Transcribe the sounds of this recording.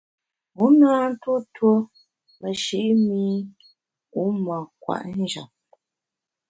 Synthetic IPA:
u˨˦naː˦n̩˦two˦two˦ | mə˨ʃi˦ʔmiː˦ | u˦ma˨kwa̰˨ʔn˦d͡ʒa̰˨p̚

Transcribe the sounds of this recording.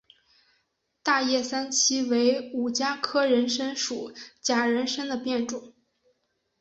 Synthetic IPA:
t̪a˥˧jɛ˥˩sa˥nt͡ɕʰi˥we˧˥ɪu˨˩t͡ɕja˥kʰɤ˥ɻə˧˥nʂə˥nʂu˨˩˦t͡ɕja˨˩ɻə˧˥nʂə˥ŋd̪ə˨pjɛ˥˩nʈ͡ʂʊ˨˩˦ŋ

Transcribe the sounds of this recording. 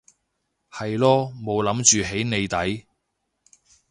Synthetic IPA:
hɐ˨jlɔː˥mo˨˧wlɐ˨˥mt͡ʃyː˨ɦe˨˥jne˨˧jt̪ɐ˨˥j

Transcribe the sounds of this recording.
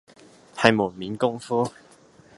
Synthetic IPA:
hɐ˨jmuː˨˩nmiː˨˥nkʊ˥ŋfuː˥

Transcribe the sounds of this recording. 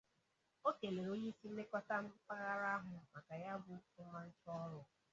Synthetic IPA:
o˦ke˨le˨ɾo˦ɲe˦i˦si˦m̩˦me˦kʷa˦ta˦m̩˦pa˦ɣa˦ɾa˦ɦʊ˨ma˨ka˨ja˦bʊ˨ʊ˦ma˦n̩˦t͡ʃɔ˦ɾʊ˨

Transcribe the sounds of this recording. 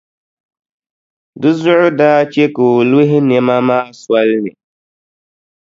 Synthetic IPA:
dɨ˦zʊ˦ʔʊ˦daː˦t͡ʃe˦ko˨le˦ɦɪ˦nɛ˦ma˦ma˦a˨swa˦lnɪ̰˨

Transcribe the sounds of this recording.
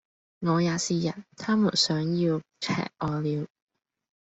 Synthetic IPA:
ŋɔː˨˧jaː˨˧siː˨˧jɐ˨˩n̚t̪ʰaː˥mu˨˩nsœː˨˥ŋjiː˧wt͡sʰɛ̰ː˨k̚ʔɔː˨˧liː˨˧w

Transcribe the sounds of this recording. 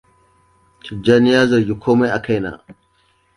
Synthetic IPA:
t͡ʃɪ˨d͡ʒaː˦nɪ˦jaː˦zɐ˨ɾɡʲi˦kʰoː˦ma˦jʔa˨ka˦jna̰ː˨

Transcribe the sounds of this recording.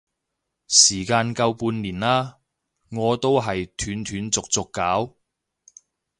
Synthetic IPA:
siː˨˩kaː˧nkɐ˧wpuː˧nliː˨˩nlaː˥ | ŋɔː˨˧t̪o˥wɦɐ˨jt̪ʰyː˨˥nt̪ʰyː˨˥nt͡sʊ˨k̚t͡sʊ˨kːaː˨˥w

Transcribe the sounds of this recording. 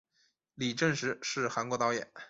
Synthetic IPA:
li˨˩ʈ͡ʂə˥˩nʂɻ̩˧˥ʂɻ̩˥˩xa˧˥nkwɔ˧˥t̪ɑ˧˥ʊjɛ̰˨˩˦n

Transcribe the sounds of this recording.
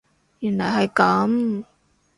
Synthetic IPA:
jy˨˩nlɐ˨˩jɦɐ˨jkɐ˨˥m

